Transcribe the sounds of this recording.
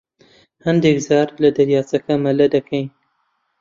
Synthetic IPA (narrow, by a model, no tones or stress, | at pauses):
hɐnd̪ekzaːɾlɐd̪ɐɾjaːt͡sɐkɐmɐlɐd̪ɐkʰɛjn